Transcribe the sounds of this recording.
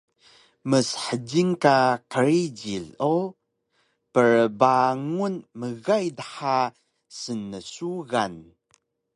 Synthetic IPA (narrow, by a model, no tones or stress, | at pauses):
məsħəd͡ʑiŋkaqəɾid͡ʑiɮo | pəɾbaŋunməɣajdəħa | sənːəsuɣan